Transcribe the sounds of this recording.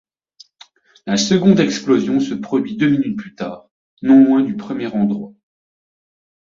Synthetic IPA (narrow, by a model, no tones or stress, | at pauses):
lasəɡɔ̃d̪ɛksplɔzjɔ̃səpχɔd̪ɥid̪øminyt̪̚plyt̪aːʁ | nɔ̃lwɛ̃d̪ypχəmjɛʁɑ̃d̪ʁwa